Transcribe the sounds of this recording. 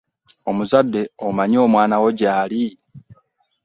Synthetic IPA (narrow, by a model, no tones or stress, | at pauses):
o̞muzadːe̞omaɲo̞ːmwaːnawo̞ɟaːli